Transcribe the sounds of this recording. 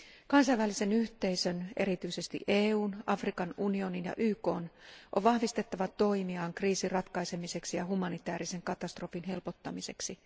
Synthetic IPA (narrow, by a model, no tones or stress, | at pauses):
kɑnsɑjʋælːise̞nyht̪e̞isøne̞̰ɾit̪yise̞st̪ḭʔeːuːnɑfrikɑnunio̞ninjɑ̰ʔyːko̞ːnʔo̰ʋʋɑhʋist̪e̞t̪ːɑʋɑt̪o̞jmiɑːŋkriːsirɑt̪kɑjse̞mise̞ksijɑɦumɑnit̪æːɾise̞ŋkɑt̪ɑst̪ro̞finɦe̞lpo̞t̪ːɑmise̞ksi